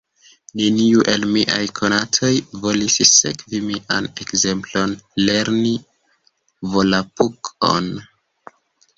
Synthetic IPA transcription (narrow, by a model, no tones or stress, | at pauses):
neniuʔe̞lmiʔa̰jkʰonatʰo̞jvo̞lisse̞̰kvimiʔane̞kze̞mplo̞nle̞ɾni | vo̞lapukʰo̞̰n